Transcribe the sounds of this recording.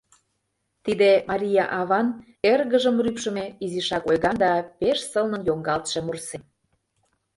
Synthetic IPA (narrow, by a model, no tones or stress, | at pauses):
t̪id̪emɑɾʲijɑʔɑβɑn | erɣəʒəmrypʃəmeiziʃɑkojɣɑnd̪ɑpeʃsəlnə̆njoŋɡɑlt̪ʃemursem